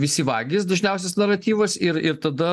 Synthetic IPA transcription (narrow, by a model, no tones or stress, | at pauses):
ʋʲɪsʲiːʋɑːɡʲɪsd̪ɐʒʲnʲɛʊsʲɛsnɐɾɐt̪ʲiːʋɐsɪɾɪɾt̪ɐd̪ɐ